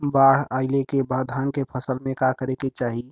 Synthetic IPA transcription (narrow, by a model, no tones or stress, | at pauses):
baɽ̤aɪlekebad̪ʱankepʰəsəlmẽkakəɾeket͡ʃaɦi